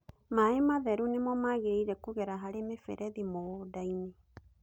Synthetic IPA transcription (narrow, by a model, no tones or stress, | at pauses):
maemaðɛɾunemɔmaːɣeɾeiɾɛkoɣɛɾaɦaɾemefɛ̰ɾʔɛðimoodaine